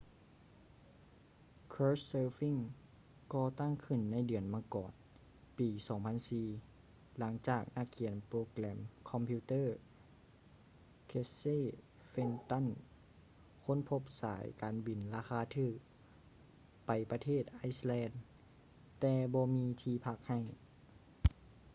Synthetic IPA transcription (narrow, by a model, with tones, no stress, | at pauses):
kʰoː˧˥sɤː˧fi˧˥˨ŋ | kɔː˧t̪a˥˨ŋkʰɯ˧˩˨nːa˧˥˨jdɯ˨˩ənmaː˧˥˨kɔ̰ː˨˩n | piː˨˩sɔː˨˦ŋpʰa˧˥˨nsiː˨˧ | la˩˦ŋt͡ɕaː˨˩k̚na˧˥˩kʰːi˨˩˦ənpɾoː˧klɛː˧˩mkʰɔ˧˨mpʰiː˧t̪ɤː˥˨ | kʰe˧se˥˨ | fe˧˥nt̪a˧˥˨n | kʰo˧˥˨npʰo˧p̚sa̰ː˨˦jkaː˨nbi˨˩nlaː˧xʰaː˧˥t̪ʰɯː˧˩ | pa˨˩jpa˧t̪ʰeː˥˩t̪̚ʔa˧˥jslɛː˧˥n | t̪ɛː˧bɔː˧miː˧t̪ʰiː˧pʰa˧˥˩k̚ha˧˩j